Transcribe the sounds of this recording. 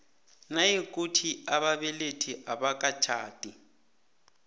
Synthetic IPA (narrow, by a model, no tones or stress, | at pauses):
najek̬ʼutʰiaβaβɛletʰiʔaɓakʼat͡ʃʰa̰ːtʼi